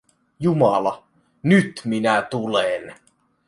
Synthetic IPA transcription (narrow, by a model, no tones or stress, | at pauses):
jumɑlɑ | nyt̪minæt̪ulen